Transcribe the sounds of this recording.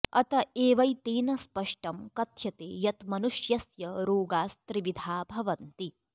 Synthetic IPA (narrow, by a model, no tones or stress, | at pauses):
ɐt̪ɐeːʋɐjt̪iːnɐspɐʂʈɐmkɐt̪ʰjɐt̪eːjɐt̪mɐnuʃjɐsjɐɾuːɡaːst̪ɾiʋid̪ʱaːbʱɐʋɐnt̪i